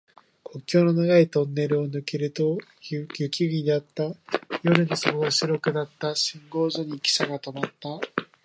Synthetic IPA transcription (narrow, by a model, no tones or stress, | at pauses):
kʰo̞kʲːo̞ːno̞naɡait̪õ̞nːe̞ɾɯ̟o̞nɯ̟keɾɯ̟t̪o̞ | jɯ̟kʲiɡʲid̪at̪ːajo̞ɾɯ̟nosokoɡaɕɨɾo̞kɯ̟d̪at̪ːaɕĩŋɡo̞ːzo̞ɲ̟ikʲi̥saɡat̪o̞mat̪ːa